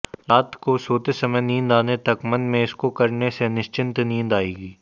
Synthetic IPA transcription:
ɾaːt̪ʰkosoːt̪esɐməjnĩːnd̪aːnet̪ɐkmɐ̃nd̪mẽɪskokɐɾnesenɪʃt͡ʃɪ̃nt̪nĩːnd̪aːeːɡiː

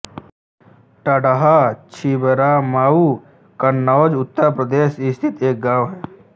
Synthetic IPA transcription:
ʈəɖaɦat͡ʃʰibəɾaːmaːu | kənːɔːd͡ʒʊt̪ːəɾpɾəd̪eːʃist̪ʰɪt̪eːk̚ɡãːʋɦɛː

